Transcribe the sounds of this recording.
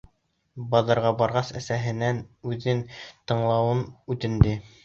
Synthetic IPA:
bɑðɤ̆ɾʁɑbɑɾʁɑsæ̰sæɦɘ̆nænʉðɘnt̪ɤ̆ɴlˠɑwɤnʉt̪ɘ̆nd̪ɘ

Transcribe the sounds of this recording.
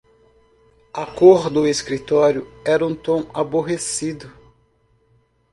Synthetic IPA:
akoɾd̪ʊeskɾit̪ɔɾjʊɛɾɐũt̪õw̃aboɦesid̪ʊ

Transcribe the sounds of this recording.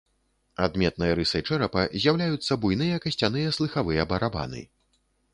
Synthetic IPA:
ad̪mʲɛt̪̚nɨjɐɾɨsɐjt͡ʂɛɾɐpɐzʲjawlʲajut̪sːɐbujnɨjɐkɐsʲt͡sʲan̪ɨjɐslˠɨxavɨjɐbɐɾaba̰nɨ̰

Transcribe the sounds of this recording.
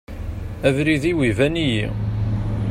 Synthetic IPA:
ævɾiðiwivænijḭ

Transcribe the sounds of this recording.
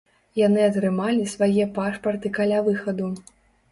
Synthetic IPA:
janɨɐt̪ɾɨmalʲisvajɛpaʂpɐrt̪ɨkalʲavɨxɐd̪u

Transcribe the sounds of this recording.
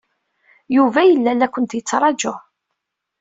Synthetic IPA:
juvæjəlːælːækʷːənt̪jət͡sːɾˤɑd͡ʒʊ

